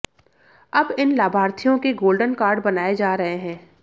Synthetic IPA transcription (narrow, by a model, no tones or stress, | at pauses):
ɐbɪnlaːbʱaːɾt̪ʰijõkeɡoːlɖənkaːɾɖbɐnaːed͡ʒaːɾɐɦeɦɛ̃ː